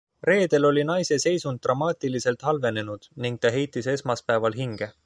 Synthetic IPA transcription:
re̞ːd̪̥e̞lo̞lʲinɑjse̞se̞jsund̪t̪ːrʔɑmɑːt̪ilise̞lt̪ˑhɑlve̞ne̞nud̪̥niŋɡ̥̚t̪ɑɦe̞jt̪ːˑise̞smɑspæevɑlɦiŋɡ̥e̞

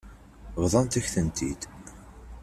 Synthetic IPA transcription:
vðˤɑnt̪æçθənt̪id̪̥

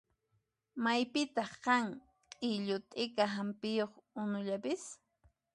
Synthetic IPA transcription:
majpɪt̪ɑχqɑŋ | qʼɪʎʊt̪ʼɪkaɦampɪjoχʊnʊʎapɪs

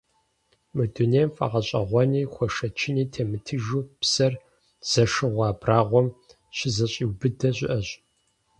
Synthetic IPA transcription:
mɨduneːmfʼɐ̰ʁɐɕʼɐ̰ʁʷɔniːxʷɔʂɐt͡ʃʰɪniːtʰeːmɨtʰɨʒuːpsɐr | z̥ɐʂɨʁʷɑːbraːʁʷɔm | ɕɪzɐɕʼiwbɨdɐɕʷʼɪ̰ʔɐɕʼ

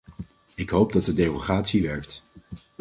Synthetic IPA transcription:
ɪkɦowp̚dɑt̚dədejroχaːtsiʋɛɹk̚t

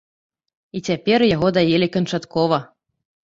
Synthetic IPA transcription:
it͡sʲapʲɛrjaɣɔd̪ajelʲikɐnt͡ʂat̪kɔvɐ

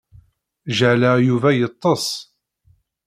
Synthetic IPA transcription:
ʒəʕləjuvæjət̪ˤːəsˤ

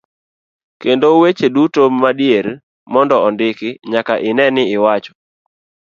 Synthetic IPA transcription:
kendowet͡ʃedutomadjeɾ | mɔndɔɔndɪkɪɲakaʔɪnɛnɪɪwat͡ʃɔ̥

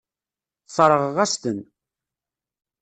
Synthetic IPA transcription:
sˤɾˤəʁʁæst̪ən

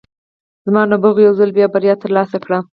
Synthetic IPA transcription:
zmɑnabaɣojawzəlbjɑbaɾjɑt̪əɾlɑsakɽa

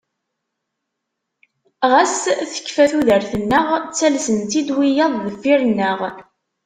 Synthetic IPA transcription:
ʁæsθə̥çːfæθuðəɾθənːəʁt͡sːælsənt̪id̪wijɑðˤðəfːiɾənːəʁ

